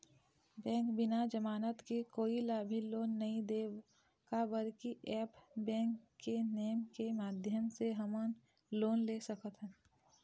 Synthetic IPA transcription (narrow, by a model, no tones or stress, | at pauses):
bɛ̃ːŋkbɪnad͡ʒəmaːnət̪kekoːilaːbʱiloːnːɐɦĩd̪eː | kabəɾkiʔɛːpbɛ̃ːŋkːeneːəmkemaːd̪ʱjəmseɦəmən | loːnleːsəkət̪ɦɛ̃